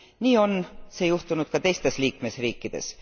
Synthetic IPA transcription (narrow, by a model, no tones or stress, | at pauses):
niːo̞nse̞ːjuht̪unud̪̥kɑt̪e̞jst̪e̞sliːkme̞sriːkˑːid̪̥e̞̰s